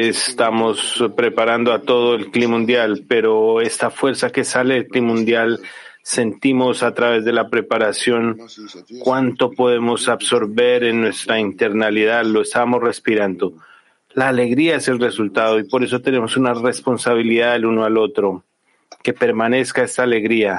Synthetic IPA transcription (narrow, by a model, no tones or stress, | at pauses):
est̪amo̞spɾe̞paɾand̪oat̪o̞ð̞oe̞lklimũnd̪jalpe̞ɾo̞e̞st̪afwe̞ɾsake̞saleːlklimũnd̪jal | se̞nt̪imo̞sat̪ɾaβe̞zðe̞lapɾe̞paɾasjo̞ŋkwant̪o̞po̞ðe̞mo̞saβso̞ɾβe̞ɾe̞nːwe̞st̪ɾaint̪e̞ɾnaliðalo̞e̞st̪amo̞sre̞spiɾand̪o̞ | laːle̞ɣɾiae̞se̞lre̞sult̪aðo̞ipo̞ɾe̞s̬o̞t̪ene̞mo̞sunare̞spo̞nsaβ̞iliðaðelunoalo̞t̪ɾo̞ | ke̞pe̞ɾmane̞skae̞st̪aːle̞ɣɾia